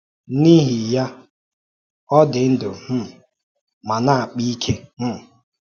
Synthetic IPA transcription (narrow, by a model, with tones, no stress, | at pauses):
ni˦ɦi˨ja˦ | ɔ˦dɪ˨n̩˦dʊ˨m̩˦˨ | ma˨na˦˨a˨k͡pi˦i˦kʰe˦m̩˦˨